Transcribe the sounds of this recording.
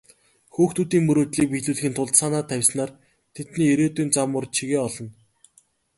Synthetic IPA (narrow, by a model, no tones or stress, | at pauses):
xuːxt̪uːt̪iːŋmɵɾoːt̪ɮiːk̚piɮuːɮxĭnt̪ʰʊɮt̪sanaːt̪ʰæwʲsnaːr | t̪ʰet̪niːeɾeːt̪uːnt͡samʊrt͡ɕʰiɣeːɔɮɞ̆n